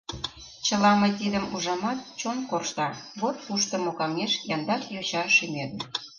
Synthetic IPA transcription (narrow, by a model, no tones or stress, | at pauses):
t͡ɕəlɑmɤjt̪id̪ə̆muʒɑmɑt̪̚t͡ɕonkorʃt̪ɑβot̪̚puʃt̪ə̆mokɑmeʃjɑnd̪ɑkjot͡ɕɑʃymed̪ə̆